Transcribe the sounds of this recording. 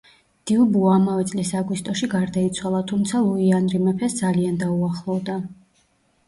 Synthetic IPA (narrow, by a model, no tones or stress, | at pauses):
d̪̥iubuamavɛt̪sʼlisaɡwist̪ʼɔʃiɡaɾd̪ait̪sʰwalˠat̪ʰumt̪sʰalˠuianɾimɛpʰɛsd̪zaliand̪auaχlˠɔvd̪a